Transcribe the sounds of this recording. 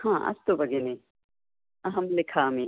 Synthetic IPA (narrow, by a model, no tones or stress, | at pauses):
hãːʔɐ̰st̪obɐɡenẽ | ɐɦɐmlɪkʰaːmẽ